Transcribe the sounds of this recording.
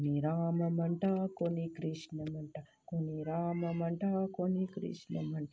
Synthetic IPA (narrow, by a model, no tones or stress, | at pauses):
niɾaːmɐmɐɳʈaːkonikɾiʂnɐmɐɳʈɐ | koniɾaːmɐmɐɳʈaːkonikɾḭʂnɐmɐɳʈɐ